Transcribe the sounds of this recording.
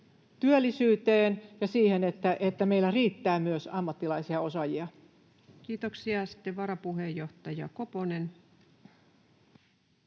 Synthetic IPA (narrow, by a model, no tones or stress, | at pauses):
t̪yølːisyːt̪eːnjɑsiːhe̞net̪ːæʔet̪ːæmeilːæriːt̪ːæːmyøsɑmːɑt̪ːilɑisiɑo̞sɑjiɑ | kiːt̪oksiɑsi̥t̪ːeʋɑɾɑpuɦejːo̞ht̪ɑjɑ̰koponen